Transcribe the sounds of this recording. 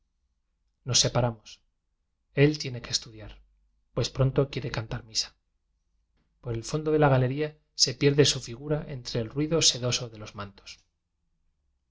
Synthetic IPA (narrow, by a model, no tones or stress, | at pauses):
no̞sːe̞paɾamos | e̞lt̪je̞ne̞keːst̪uðjaɾ | pwe̞spɾo̞nt̪o̞kje̞ɾe̞kant̪aɾmisḁ | po̞ɾe̞lfo̞nd̪o̞ð̞e̞laɣale̞ɾia | se̞pje̞ɾðe̞sufiɣuɾaʔe̞nt̪ɾe̞ːlrwiðo̞se̞ðo̞so̞ðe̞lo̞zmãnt̪o̥s